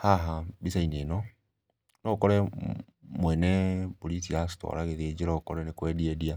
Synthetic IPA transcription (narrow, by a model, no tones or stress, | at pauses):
haɦabisainenɔ | nɔukɔɾɛ | mwɛnɛbulisiasi̥tɔ̰ɾaɣeðed͡ʒeɾɔokɔɾɛnekwɛːdiedia